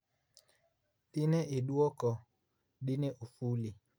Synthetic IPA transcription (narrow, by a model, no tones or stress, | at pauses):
tinɛʔeɗuɔkɔ | ɗinɛʔufuli